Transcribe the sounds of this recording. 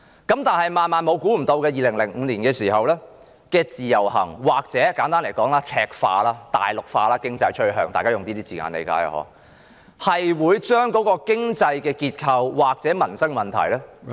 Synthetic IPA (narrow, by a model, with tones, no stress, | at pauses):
kɐ˨˥mt̪aː˨nhɐ˨jmaː˨nmaː˨˧nmo˨˧wkuː˨˥m̩˨˩t̪o˧wkɛː˧jiː˨lɪ˨˩ŋlɪ˨˩ŋŋ̩˨˧liː˨˩nkɛː˧siː˨˩ɦɐ˨wlɛː˥ | kɛː˧t͡siː˨jɐ˨˩wɦɐ̰˨˩ŋwaː˨k̚t͡sɛː˨˥kaː˨˥nt̪aː˥nle˨˩kɔː˨˥ŋlaː˥t͡sʰɛː˧k̚fa̰ː˧laː˥t̪a̰ː˨jlʊ˨k̚faː˧laː˧˥kɪ˥ŋt͡sɐ˧jt͡ʃʰɵ˥ɦœː˧ŋt̪aː˨kaː˥jʊ˨ŋt̪iː˥t̪iː˥t͡siː˨˩ŋa̰ː˨˧nḛ˨˧ka̰ː˧˥ja̰˨˧ɦɔ̰ː˨˥ | hɐ˨jwuː˨˧jt͡ʃœː˥ŋkɔː˨˥kɔː˧kɪ˥ŋt͡sɐ˧jkɛː˧kiː˧t̚kʰɐ˧wwaː˨k̚t͡sɛː˨˥mɐ˨˩nsɐ˥ŋmɐ˨˩nt̪ʰɐ̰˨˩jlɛː˥